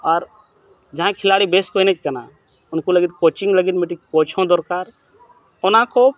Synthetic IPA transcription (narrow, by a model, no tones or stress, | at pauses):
ɔːɾ | d͡ʒɐɦãkʰɪlaːɽibeːskonet͡ʃkɐna̰ | ʊnkoləɡit̪̚koːt͡ʃɪŋɡləɡit̪̚mɪʈikoːt͡ʃʰõd̪ɔɾkaːɾ | ɔnãːko